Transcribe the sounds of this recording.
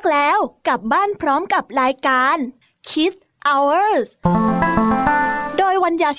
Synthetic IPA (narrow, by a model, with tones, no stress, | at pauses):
k̚lɛː˦˥wka˨˩p̚baː˥˩npʰɾɔː˦˥mka˨˩p̚ɾaː˧jkaː˧n | kʰi˦˥t̪̚ | ʔa˧wəː˥˩s | doː˧jwa˧njaː˧˩